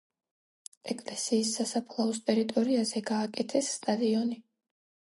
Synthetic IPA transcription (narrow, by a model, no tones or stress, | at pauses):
ɛkʼlɛsiːsːasapʰlˠaɔst̪ʼɛɾit̪ʼɔɾiazɛɡaːkʼɛt̪ʰɛsːt̪ʼad̪iɔni